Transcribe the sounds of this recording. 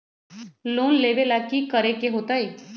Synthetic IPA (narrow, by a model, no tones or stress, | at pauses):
loːnleːʋelaːkːikəɾekeɦoːt̪aeː